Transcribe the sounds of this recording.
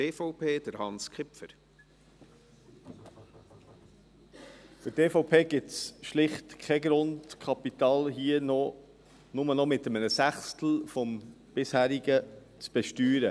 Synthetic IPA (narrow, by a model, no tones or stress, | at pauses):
eːfoʊpʰeːd̥əɾhɑnskχɪpfəɾ | fɪteːfoʊpʰeːɡɪtsʃlɪχtkʰɛɡɾʊndkʰɑpit̪ɑːlɦiːənɔ | nʊmənɔmɪtəmənəsæχst̪l̩fɔm | b̥ɪshæːɾiɡə | t͡sb̥ɛʃtyːɾə